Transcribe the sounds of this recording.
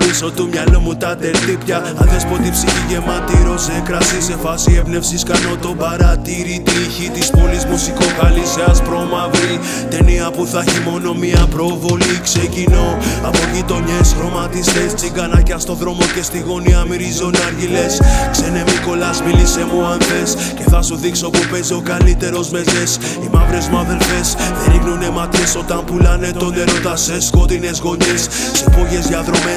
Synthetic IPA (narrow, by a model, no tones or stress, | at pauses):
isot̪umɲɐlomut̪ɐt̪et̪ipçɐ | ɐðespo̞t̪ipsiçiʝe̞mɐt̪iɾo̞ze̞kɾɐsise̞fɐsie̞pne̞fsiskɐno̞t̪o̞bɐɾɐt̪iɾit̪içit̪ispolizmusiko̞kɐliseɐspɾo̞mɐvil | t̪e̞niɐpuθɐçimo̞no̞miɐpɾo̞vo̞likse̞cino̞ɐpo̞ʝit̪o̞ɲe̞sɣɾo̞mɐt̪ist̪est͡siŋɡɐnɐcɐst̪o̞ðɾo̞mo̞ce̞st̪iɣo̞niɐmiɾizo̞nɐɾʝile̞skse̞ne̞miko̞lɐsmilise̞muaɱfe̞s | ce̞θɐsuðikso̞pupezeokɐlit̪e̞ɾo̞zme̞ze̞s | imɐvɾe̞zmɐðe̞lfe̞sθeɾiɣnune̞mɐt̪çe̞so̞t̪ɐmpulɐne̞t̪ot̪eɾot̪ɐse̞skot̪ine̞zɣo̞ɲis | sepo̞ʝe̞zʝɐðɾome